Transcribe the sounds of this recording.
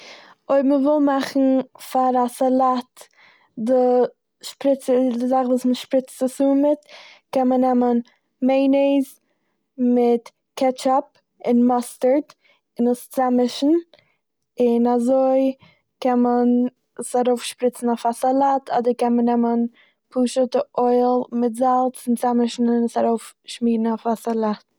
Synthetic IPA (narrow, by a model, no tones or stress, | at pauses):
oɪbməvɪlˠmaχn̩faɾasalˠat | dɪ | ʃpɾɪt͡sədɪzaχvuːsməʃpɾɪt͡stəsumɪtkɛnmənɛmən | meɪneɪz | mɪt | kɛt͡ʃɔp | ɪnmɔstəɾt | ɪnəst͡samɪʃn̩ | ɪnazoɪ | kɛnmən | saɾoʊfʃpɾɪt͡sn̩ɔfasalˠaːtʰɔdəɾkɛnmənɛmən | pʰuːʃətəʔoɪlˠmɪtzalˠt͡sɪnt͡samɪʃn̩ɪnəsaɾoʊfʃmiːdn̩afasalˠaːt̚